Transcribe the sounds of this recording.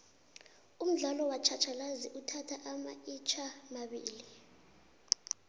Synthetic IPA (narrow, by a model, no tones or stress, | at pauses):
um̩ɮalɔwat͡ʃʰat͡ʃʰalaziʔutʰatʰaʔama̰it͡ʃʰamaɓḭːli